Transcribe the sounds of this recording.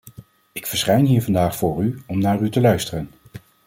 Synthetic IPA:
ɪkfəɹsχɛjnɦiːɹvɑndaːχfʊːɹyɔmnaːrytəlœɥstərən

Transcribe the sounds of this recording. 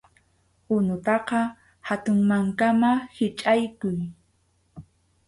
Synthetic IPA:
ʊnʊt̪ɑqɑ | hat̪ʊŋmaŋkamahɪt͡ʃʼajkʊj

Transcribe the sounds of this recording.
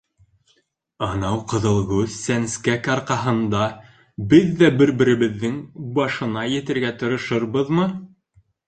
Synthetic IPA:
ɑnɑwqɤ̆ðɤ̆lˠʁʉθsænskækɑɾqɑɦɤ̆nd̪ɑ | bɘðːæbɘ̆ɾbɘ̆ɾɘ̆βɘ̆ðːɘŋbɑʃɤ̆nɑjɘ̆t̪ɘ̆ɾɡæt̪ɤ̆ɾɤ̆ʃɤɾβɤðmɤ

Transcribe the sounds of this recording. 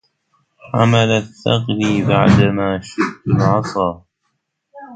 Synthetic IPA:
ħa̰malaθːɑqɾiːbaʕd̪amaːʃɪʔt̪ːʊlʕɑsˤɑː

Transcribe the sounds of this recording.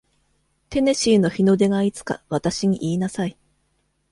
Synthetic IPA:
t̪e̞ne̞ɕiːno̞çino̞d̪e̞ɡait͡sɨ̥ka̰βat̪aɕiɲ̟iʔiːnasai

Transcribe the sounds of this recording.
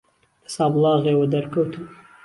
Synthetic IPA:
d̪ə̥sɑblɑɣewəd̪aɾkowt̪ʰu

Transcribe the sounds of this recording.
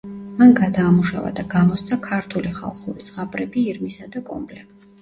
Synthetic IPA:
manɡad̪aːmuʃa̰va̰d̪aɡamɔst̪sʰakʰaɾt̪ʰuliχa̰lˠχuɾisʁapʼɾɛbiːɾmisad̪akʼɔmbʼlɛk

